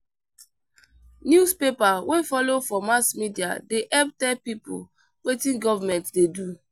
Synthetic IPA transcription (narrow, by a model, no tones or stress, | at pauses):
njuspepawefɔlofɔmasmidia̰deʔɛptɛpipṵ | wetĩnɡɔvamɛ̃ntdedu